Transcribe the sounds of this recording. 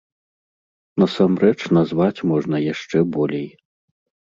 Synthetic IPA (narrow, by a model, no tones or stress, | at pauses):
nɐsamrɛt͡ʂnazvat͡sʲmɔʐnɐjaʂt͡ʂɛbɔlʲɛj